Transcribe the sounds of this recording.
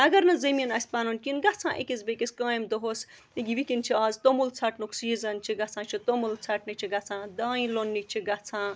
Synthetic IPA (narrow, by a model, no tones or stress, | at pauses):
ɐɡɐɾnɐzɐminɐsʲpaːnunkʲinɡɐt͡sʰãːʔḛkʲisbekiskãːimd̪oɦos | iɡʲiʋikʲint͡ʃʰiaːzt̪omult͡sʰɐʈnuksiːzɐnt͡ʃʰiɡɐt͡sʰãːt͡ʃʰit̪omult͡sʰaʈnit͡ʃʰiɡɐt͡sʰãːd̪aːĩlonːikt͡ʃʰiɡɐt͡sʰãː